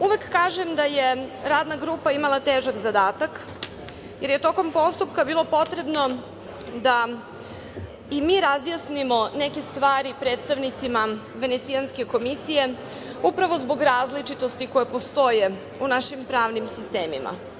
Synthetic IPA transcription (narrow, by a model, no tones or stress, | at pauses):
uʋekːaːʒemd̪ajeɾaːd̪naɡɾuːpaimalˠat̪eːʒakzad̪aːt̪ak | je̞ɾje̞t̪o̞ko̞mpo̞st̪upkabiːlˠo̞po̞t̪ɾe̞bno̞ | d̪a | imiːɾazjasnimo̞neke̞st̪ʋaːɾipɾeːt̪st̪aʋnit̪sima | ʋe̞net̪sijanske̞ko̞misije̞ | upɾaʋo̞zbo̞ɡɾaːzlit͡ʂit̪o̞st̪ikojepo̞st̪o̞je | unaʃimpɾaːʋnimsist̪eːmima̰